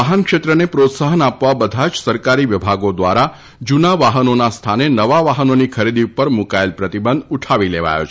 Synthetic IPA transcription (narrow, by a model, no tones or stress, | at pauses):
əɦənkʃet̪ɾənepɾot̪saɦənapʋabəd̪ʱad͡ʒsəɾkaɾiʋɪbʱaɡod̪ʋa̰ɾa | d͡ʒunaʋaɦənonast̪ʰanenəʋaʋaɦənonikʰəɾid̪iupəɾmukaelpɾət̪ibənd̪uʈʰaʋileʋa̰jo̰t͡ʃʰ